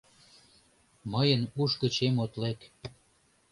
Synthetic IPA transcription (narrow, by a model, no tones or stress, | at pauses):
məjənuʃkə̆t͡ɕemot̪lek